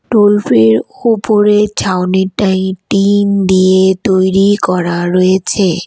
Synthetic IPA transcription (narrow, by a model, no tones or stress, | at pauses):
ʈolfʰeɾupoɾed͡ʑʰʱawniʈaĩʈind̪iet̪ojɾikɔɾaɾojet͡ɕʰe